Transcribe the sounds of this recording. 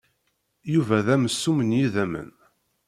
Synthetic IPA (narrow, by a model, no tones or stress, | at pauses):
juvæðæməsːumənjiðæmə̰n